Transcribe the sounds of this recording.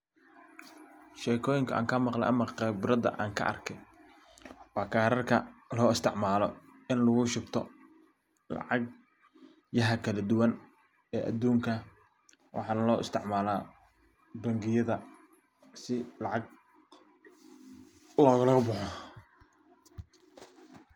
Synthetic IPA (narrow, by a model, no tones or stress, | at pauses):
ʃɛːkʰɔːjɪŋkʰɐʔa̰ːŋkʰɐmɑqlɛ̰jʔɐmɐqɛbɾɐd̪ɐ̰ʔa̰ːŋkʰɐ̰ʔɐ̰rkʰɛj | wɑːkʰaːɾɐrkʰɐ̰lɔːɪst̪ʰɪʕmaːlɔɪnlɐɣʊʃɪɡt̪ʰɔ | lɑ̰ʕɑɡ̚ | jɐɦɐkʰɐlɐd̪ʊwɐn | ɛːʔɐ̰d̪uːŋkʰɐ | wʔɑ̰ħɑːnɐlɔːʔɪ̰st̪ʰɪʕmaːlaː | bɐŋɡɪjɐðɐ | sɪlɑʕɑɡ̚ | lɔːɣɐlɐɣɐbʊħɔ